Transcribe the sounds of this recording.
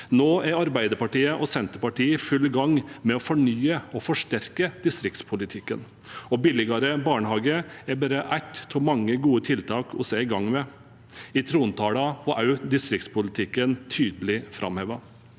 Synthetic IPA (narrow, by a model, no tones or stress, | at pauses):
noːæɾɑɾbæɪd̪əɾpɑʈiːəʔɔsɛnt̪əɾpɑʈiːəfʉlːɡɑŋːmɛɔfɔɳyːəɔfɔʂʈæɾkəd̪̥ɪst̪ɾɪkt̪spʰʊlɪt̪ʰɪkːən | ɔbɪlɪɡɑɾəbɑːɳəhɑːɡəɛbæːɾəʔæɪt̪ʰɔmɑŋːəɡuːət̪ʰɪlt̪ʰɑːkʰɔseːɪɡɑŋːmɛ | ɪt̪ʰɾuːnt̪ʰɑːlɑʋɑʔɑʉd̪ɪst̪ɾɪk̚t̪spʊlɪt̪ʰɪkːənt̪ʰyːd̪əlɪfɾʔɑ̰mhɛʋɑ